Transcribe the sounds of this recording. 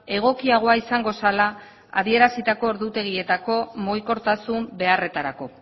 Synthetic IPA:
e̞ɣ̞o̞kiaɣ̞o̞aisaŋɡo̞sala | a̰ðie̞ɾasit̪ako̞oɾðut̪e̞ɣ̞ie̞t̪ako̞mo̞jko̞ɾt̪asumbe̞are̞t̪aɾako̞

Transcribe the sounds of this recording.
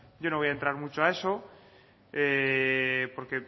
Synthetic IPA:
ɟ͡ʝo̞noojaent̪ɾaɾmut͡ʃoae̞so̞ | e | po̞ɾke̞

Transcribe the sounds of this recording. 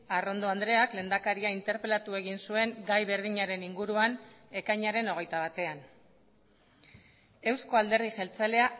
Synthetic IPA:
aro̞nd̪o̞and̪ɾe̞akle̞ːnd̪akaɾiaint̪e̞ɾpe̞lat̪ue̞ɣinsue̞ŋɡajβe̞ɾðiɲaɾe̞niŋɡuɾuan | e̞kajɲaɾe̞no̞ɣ̞e̞jt̪aβ̞at̪e̞an | e̞wsko̞ald̪e̞ɾð̞iʝe̞lt͡sale̞a

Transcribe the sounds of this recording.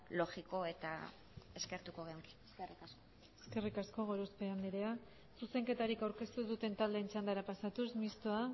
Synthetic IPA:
lo̞xiko̞e̞t̪a̰ | e̞ske̞ɾt̪uko̞ɣeoŋki̥serikasko | eske̞rikasko̞ɣo̞ɾospe̞and̪iɾea | suse̞ŋke̞t̪aɾikawɾke̞st̪uðut̪e̞nt̪ald̪e̞ːnt͡ʃand̪aɾapasat̪usmist̪oa

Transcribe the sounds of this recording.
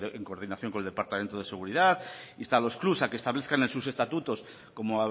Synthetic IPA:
eŋko̞ɾðinaθjo̞ŋkoeld̪epaɾt̪ament̪oð̞e̞se̞ɣ̞uɾiðaθist̪alo̞sklusakest̪aβle̞θkanelsuse̞st̪at̪ut̪o̞s | ko̞moa

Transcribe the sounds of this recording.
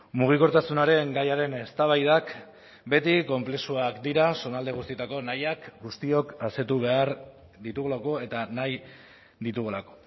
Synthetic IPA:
muɣ̞iko̞ɾt̪asunaɾe̞ŋɡajaɾe̞ne̞st̪aβajðak | be̞t̪iko̞mple̞suakd̪iɾaso̞nald̪e̞ɣ̞ust̪iet̪ako̞najakɡust̪io̞kase̞t̪uβ̞e̞aɾ | d̪it̪uɣulako̞e̞t̪anaj | d̪it̪uɣulako̞̥

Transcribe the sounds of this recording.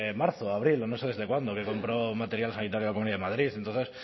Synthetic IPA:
maɾθoaβɾilonoseðe̞zðe̞kwand̪oke̞ko̞mpɾomat̪e̞ɾjalsanit̪aɾjolakouniaðemað̞ɾiθent̪onθe̞s

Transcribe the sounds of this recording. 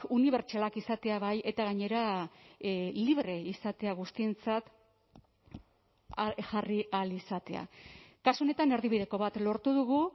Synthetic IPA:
uniβ̞e̞ɾt͡ʃalakisat̪e̞aβaje̞t̪aɣaɲe̞ɾa | liβɾe̞isat̪e̞aɣ̞ust̪ie̞nt͡sat̪ | ʝarialisat̪e̞a̰kasuo̞ne̞t̪ane̞ɾðiβið̞e̞ko̞βat̪lo̞ɾt̪uð̞uɣ̞u

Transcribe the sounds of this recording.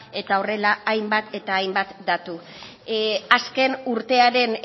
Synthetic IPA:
e̞t̪ao̞re̞laːjmbat̪e̞t̪aːjmbat̪d̪at̪u | aske̞nuɾt̪e̞aɾe̞n

